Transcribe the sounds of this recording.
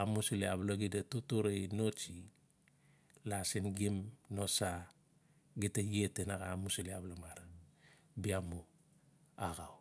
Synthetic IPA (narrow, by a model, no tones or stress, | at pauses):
amusileaβlaɡidatotoɾenot͡ʃi | lasinɡimnosa | ɡitajetenaɡamusileablamaɾa | biamu | aɡaw